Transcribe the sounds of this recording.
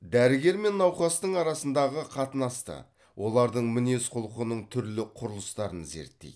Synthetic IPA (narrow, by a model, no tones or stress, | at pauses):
d̪æɾɪɡʲe̞ɾme̞nːɑwqɑst̪əɴɑɾɑsənd̪ɑʁəqʰɑt̪ənɑst̪ə̰ | wʔo̞lˠɑɾd̪əɴmɪne̞sqʰʊlˠəqənəɴt̪ʰʏɾlɪqʰʊɾəlˠəst̪ɑɾənze̞̰ɾt̪ːḛj̪